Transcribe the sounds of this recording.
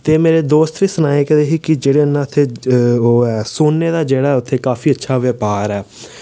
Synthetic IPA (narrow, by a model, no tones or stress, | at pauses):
t̪eːmeːɾeːd̪oːst̪ʋiːsənaːekd̪eːɦiːkɪd͡ʒeːɽeːənːãt̪ʰːeːoːɛːsoːnːeːd̪aːd͡ʒeːɽaːɛːʊt̪ʰːeːkaːfʰiːətːʃʰaːʋeːpaːɾɛː